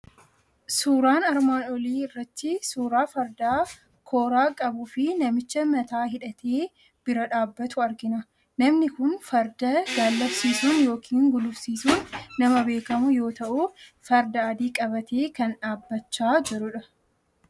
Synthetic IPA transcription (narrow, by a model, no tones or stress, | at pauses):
suːɾaːnɐɾmaːnɔliːɪrːɐt̪ːɪsuːɾaːfɐɾd̪aː | kʰoːɾaːkʼɐbʊfɪnɐmɪt͡ʃːɐmɐt̪aːɦɪᶑɐt̪ʰeː | b̥ɪɾɐᶑaːbːɐt̪ʊɐɾɡɪnɐ | nɐmnɪkʊnfɐɾd̪ɐɡaːlːɐbsiːsunjo̞ːkʰiːŋɡʊlʊbsiːsuːnːɐmɐbe̞ːkɐmʊjo̞ːt̪ɐʔʊfɐɾd̪ɐːd̪iːkʼɐbɐt̪ʰeːkɐnᶑaːbːɐt͡ʃːaːd͡ʒɛɾʊᶑɐ